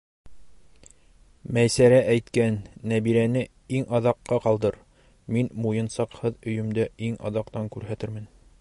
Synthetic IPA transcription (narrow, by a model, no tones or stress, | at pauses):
mæjsæɾæʔæjt̪kænːæbiɾænɘ | iŋɑðɑqːɑqɑlˠd̪ɤɾ | minmujɤ̆nsɑqhɤðɵ̆jɵ̆md̪æiŋɑ̰ðɑqt̪ɑŋkʉɾɦæt̪ɘɾmɘn